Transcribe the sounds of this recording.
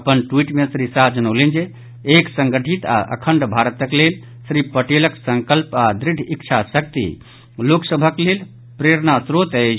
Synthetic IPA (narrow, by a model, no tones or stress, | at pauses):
əpənʈwiʈmesɾisad͡ʒənəlend͡ʒe | eksə̃ŋɡəʈʰit̪a̰ʔə̰kʰəɳɖbʱaɾət̪əklel | sɾipəʈeləksə̃ŋkəlpad̪ɾiɖʱikt͡ʃʰasək̚t̪ḭ | loksəbʱəklel | pɾeɾnasɾot̪ət͡ʃʰ